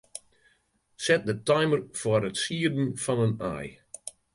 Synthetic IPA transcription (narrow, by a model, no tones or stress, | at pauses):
sɛt̚dətɔjmərfɔɾətsiədn̩fɔnəna̰j